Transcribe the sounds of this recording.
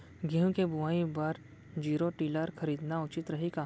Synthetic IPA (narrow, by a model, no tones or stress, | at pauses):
ɡʱiɦũkebʊʋaːĩbaːɾ | d͡ʒiːɾoʈiːləɾxʰɐɾiːd̪naʊt͡ʃɪt̪ɾɐɦikaː